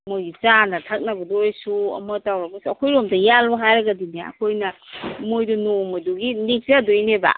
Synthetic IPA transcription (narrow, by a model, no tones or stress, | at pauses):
mojɡit͡ʃanɐtʰak̚nɐbɔdojsuɐ̰mətawɾɐbɐsuɐkʰojɾomdɐjalbaɦajɾɐɡadinaɐ̰kʰojnɐmojdunomɐduɡinik̚sadojneba̰